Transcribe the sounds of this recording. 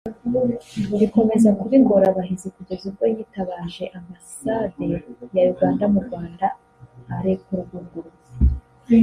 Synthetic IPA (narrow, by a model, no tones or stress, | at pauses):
uβiko̞me̞zakuβiŋɡoɾaβaɦizekuɟe̞zuβɡo̞jiːtaβaːʒe̞ʔambasadejajuɾɡwaːndamuɾɡwaːnda | haɾekuɾuɡuɡuɾu | e